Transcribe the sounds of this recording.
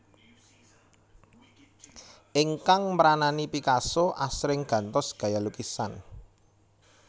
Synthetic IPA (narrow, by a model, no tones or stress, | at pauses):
ʔɪŋkaŋməɾananipikasoʔa̰sɾɪŋɡ̥ä̤nt̪ɔsɡ̥a̤jalukisa̰n